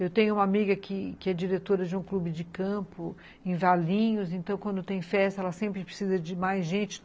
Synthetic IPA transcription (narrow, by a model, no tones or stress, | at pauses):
ewt̪ẽj̃ʊ̃ũmɐamiɡɐkɪkɪɛd͡ʒiɾet̪oɾɐd͡ʒɪũklubɪd͡ʒɪkɐ̃pʊ | ẽj̃valĩɲʊz̬ẽnt̪ɐ̃w̃kwɐ̃nd̪ʊt̪ẽj̃fɛst̪ɐɛlɐsẽmpɾɪpɾesizɐd͡ʒɪmajzʒẽnt͡ʃɪ̥